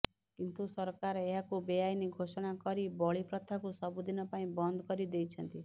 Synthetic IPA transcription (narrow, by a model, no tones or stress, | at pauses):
kint̪usɔɾkaɾeɦakubejajneɡʱosɔɽ̃akɔɾibɔɭipɾɔt̪ʰakusɔbud̪ʱinɔpaĩbɔnd̪ʱkɔɾid̪ejt͡ʃʰʌnt̪i